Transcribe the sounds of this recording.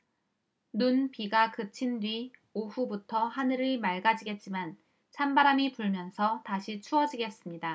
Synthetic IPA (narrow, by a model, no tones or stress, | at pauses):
nunpiɡakɯt͡ɕʰindɥioɸubutʰʌhanɯɾɯɭmaɭɡad͡ʑiɡe̞t̚t͡ɕ͈iman | t͡ɕʰambaɾamipuɭmjʌnsʰʌtaɕʰit͡ɕʰuʌd͡ʑiɡe̞s͈ɯmɲida